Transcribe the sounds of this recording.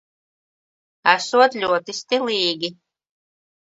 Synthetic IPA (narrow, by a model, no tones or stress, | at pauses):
æsuɔt̪lʲuɔt̪ist̪ilˠiːɡʲi